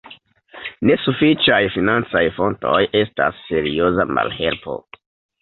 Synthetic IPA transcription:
ne̞sufit͡ʃajfinant͡sajfo̞nto̞jʔe̞sta̰sːe̞ɾio̞zama̰lhe̞lpo̞̰

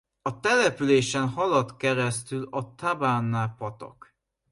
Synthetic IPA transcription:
ɒt̪ɛlɛpyleːʃɛnhɒlɒt̪kɛɾɛst̪ylɒt̪abaːnːaːpɒt̪ɒ̰k

